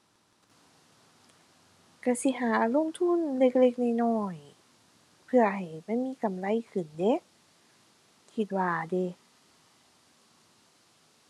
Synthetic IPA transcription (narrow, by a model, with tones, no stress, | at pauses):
ka˧˩si˧˦ɦaː˨˦lo˧˥˨ŋt̪ʰu˧˥˨nle˧k̚le˧k̚na˧˨jnɔː˧˩j | pʰɯ˧ɐɦa˨˩jma˧˥˨nmiː˧˥˨ka˨˩mla˧˥˨jkʰɯ˨˩nde˧˦˨ | kʰi˧˦t̪̚waː˧de˧˦